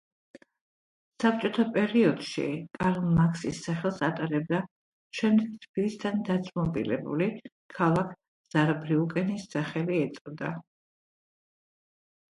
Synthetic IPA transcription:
sap̚t͡ʃʼɔt̪ʰapʼɛɾiɔd̪̥ʃḭkʼaɾlmakʰsisːaχɛlˠsat̪ʼaɾɛb̚d̪a | ʃɛmd̪ɛkt̪ʰbilist̪ʰand̪at̪sʼmɔbḭlɛ̰bṵli | kʰalˠakʰ | z̥aɾbɾiukʼɛnisːaχɛliɛt̪sʼvd̪a

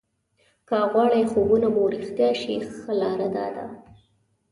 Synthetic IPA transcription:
kaɣwɑɽajxobunabawɾixt̪jɑʃixəlɑɾad̪ɑ̰d̪a̰

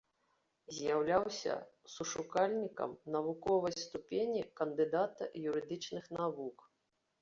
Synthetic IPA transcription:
zʲjawlʲawsʲɐ̰ | suʂukalʲnʲikɐ̰mnɐvukɔvɐjst̪upʲenʲikɐnd̪ɨd̪at̪ɐ̰juɾɨd̪ɨt͡ʂnɨxnavuk

